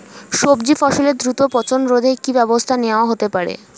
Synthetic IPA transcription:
ʃobd͡ʑifɔʃoleɾd̪ɾut̪opɔt͡ɕonɾod̪ʱekibɛbost̪ʰaneaɦot̪epaɾḛ

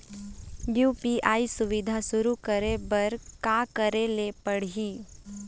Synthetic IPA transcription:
juːpiʔaːisʊʋɪd̪ʱaʃʊɾukəɾebɐɾkaːkəɾelepəɽ̤iː

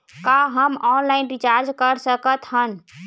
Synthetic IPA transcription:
kaɦəmɔnlaɪnɾit͡ʃaɾd͡ʒkəɾsəkət̪ɦən

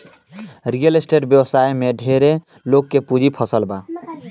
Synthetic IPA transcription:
ɾijəlesʈeɖbjewsajmeɖʱeɾe | lokːepud͡ʒʱipʰəsəlba

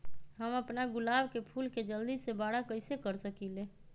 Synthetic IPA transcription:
ɦəməpnaɡʊlaːbkepʰuːlked͡ʒəld̪isebaːɽakəɪsekəɾsəkileː

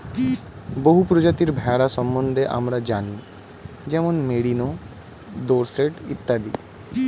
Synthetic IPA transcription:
boɦupɾod͡ʑat̪iɾbʱɛɽaʃɔmbond̪ʱeʔa̰mɾad͡ʑani | d͡ʑɛmonmeɽino | d̪oɾseʈḭt̪ːad̪ḭ

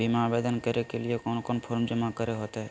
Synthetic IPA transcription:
bʱimabeːd̪ənkəɾekeliekɔːnkɔːnpʰoːɾmd͡ʒəmakəɾeɦoːt̪eɦɛː

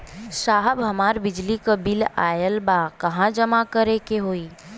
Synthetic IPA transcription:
saɦəbɦəmaɾbɪd͡ʒlikəbila̰jəlbakəɦãd͡ʒəmakəɾekeɦoi

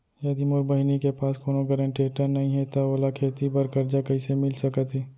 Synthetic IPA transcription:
jɐd̪imʊɾbəɦɪnikepaːskoːnoɡəɾə̃ɳʈeːʈənɐɦĩɦɛt̪aoːlakʰeːt̪ibɐɾkɐɾd͡ʒakɐɪsemɪlsɐkət̪ɦɛː

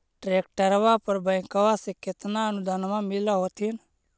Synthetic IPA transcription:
ʈɾeːk̚ʈəɾʋapəɾbə̃jkəʋasekɪt̪naənʊd̪aːnmãmɪlaɦoːt̪ʰɪn

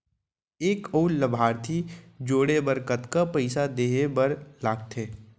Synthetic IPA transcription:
eːkəʊləbʱaːɾt̪ʰid͡ʒoːɽebəɾkət̪kapəɪsad̪eːɦebəɾlaːɡt̪ʰeː

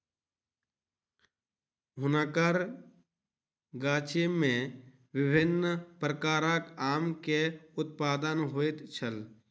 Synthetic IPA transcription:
ɦʊnaːkəɾ | ɡaːt͡ʃemẽ | ʋɪbʱɪnːpɾəkaːɾãkaːmkeʊt̪̚paːd̪ənɦoːet̪t͡ʃʰəl

